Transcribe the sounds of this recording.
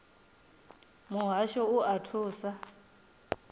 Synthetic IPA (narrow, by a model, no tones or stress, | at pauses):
muɦaʃɔuʔatʰuːsa